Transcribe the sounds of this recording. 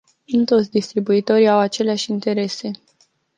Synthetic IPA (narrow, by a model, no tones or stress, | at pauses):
ɨnt̪o̞t̪sʲd̪ist̪ɾibuit̪o̞ɾiawat͡ʃe̞leaʃʲint̪e̞ɾe̞se̞